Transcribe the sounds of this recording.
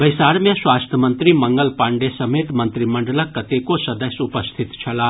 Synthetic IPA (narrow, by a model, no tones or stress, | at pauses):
bɐjsaːɾmjẽswaːst̪ʰəmənt̪ɾimɐŋɡəlpãːɳɖesɐmeːt̪mɐnt̪ɾimɐɳɖələkːɐt̪ekosɐd̪əsʊpəst̪ʰit̪t͡ʃʰɐlaː